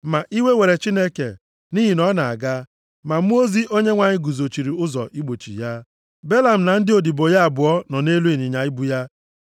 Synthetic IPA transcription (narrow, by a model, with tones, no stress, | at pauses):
ma˨ʔi˦we˦we˨ɾe˨t͡ʃi˦ne˦kḛ˨ | ni˦ɦi˨nɔ˦na˨a̰˨ɡa˦ | ma˨˦m˦o˦zi˦ʔo˦ɲe˦ŋʷa˨ɲɪ˦ɡu˨zo˨t͡ʃi˨ɾi˨ʊ˦zɔ̰˨ʔi˦ɡ͡bo˨t͡ʃḭ˨ja˦ | be˦la˨m̩˨na˨n̩˦dɪ˦o˨di˨bo˨ja˦a˨bʊ˨ɔ˦nɔ˨ne˦lu˦e˨ɲi˨ɲa˨i˦bu˦ja˦